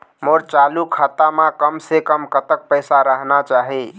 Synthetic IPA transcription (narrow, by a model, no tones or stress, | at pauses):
moɾt͡ʃalukʰat̪amãkəmsekəmkət̪ək̚pəɪsaɾəɦnat͡ʃaɦi